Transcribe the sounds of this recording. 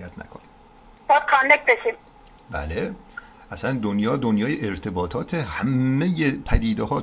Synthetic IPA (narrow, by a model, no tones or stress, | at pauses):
jæt̪ʰnæ̰kʰoni̥ | b̥ɒːd̪̥̚kʰɑnːek̪̚beʃim | bæ̰le | ʔæsænd̪onjɒːd̪onjɒːjeʔeɾt̪ʰe̞bɒːt̪ʰɒːt̪ʰehæmːejepʰæd̪iːd̪eɦɒː